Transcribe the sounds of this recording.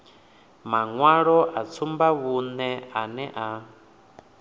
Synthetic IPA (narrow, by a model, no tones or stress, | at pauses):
maŋwaɺɔʔat͡sʰumbaβunɛanɛʔa